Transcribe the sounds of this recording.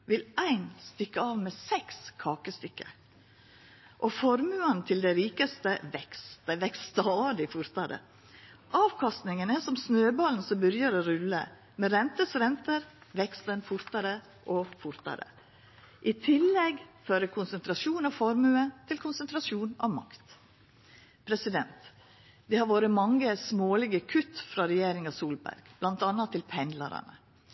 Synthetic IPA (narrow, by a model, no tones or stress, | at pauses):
ʋɪlæɪnst̪ʏkːəɑːʋmɛsɛkskʰɑːkəst̪ʏkːə̰ | ʔɔfɔɾmʉːɑnt̪ʰɪld̪æɪɾiːkəst̪əʋɛksʋɛkst̪ɑːd̪ɪfʊɾt̪ɑɾə̰ | ʔɑːʋkʰɑst̪nɪŋənæsɔmsnøːbɑln̩sɔmbʉɾjəɾoːɾʉlːə̰ | mɛɾɛnt̪əsɾɛnt̪əɾʋɛkst̪ənfʊɾt̪ɑɾə | ʔɔfʊɾt̪ɑ̰ɾə̰ | ʔɪt̪ʰɪlːɛɡføːɾəkʰʊnsənt̪ʰɾɑsuːnɑfɔɾmʉət̪ʰɪlkʰʊnsənt̪ɾɑsuːnɑ̰ʋmɑ̰kt̪ | pʰɾɛsɪd̪ɛnt̪ | d̪ɛhɑɾʋoːɾəmɑŋːəsmoːlɪɡəkʰʉt̪ːfɾɑɾɛjeːɾɪŋɑʋsuːlbæ̰ɾɡ̥b̥lɑnt̪ɑnɑt̪ʰːɪlpʰɛnd̪lɑ̰ɾɑ̰nə